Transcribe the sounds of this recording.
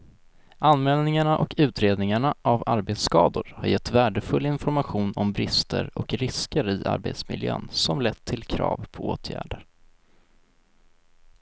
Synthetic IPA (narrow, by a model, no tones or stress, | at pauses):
anmɛːlnɪŋaɳaʔɔkʉ̟ːt̪ɾeːd̪nɪŋaɳaʔavaɾbeːt̪skɑːd̪ʊɾhaɾjɛt̪ːvæːɖəfɵlːɪnfɔɾmaɧuːnɔmbɾɪst̪ʰə̰ɾɔkɾɪskəɾɪʔa̰ɾbḛːt̪smɪ̰ljø̰ːnsɔmlɛt̪ʰːɪlkʰɾɑ̰ːvpʰɔoːt̪ʰjæ̰ːɖəɾ